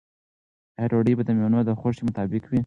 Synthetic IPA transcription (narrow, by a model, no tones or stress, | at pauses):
eɾoɖəjbad̪əmjonod̪əxoʂemʊt̪ɑbɪkwi